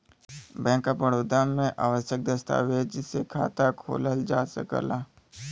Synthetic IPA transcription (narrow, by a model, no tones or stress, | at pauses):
bɛ̃ːkːapəɽoːd̪amẽʔa̰ːʋəʃjək̚d̪əst̪a̰ːwed͡ʒɪsekʰa̰ːt̪akʰo̰ːləld͡ʒaːsə̰kə̰laː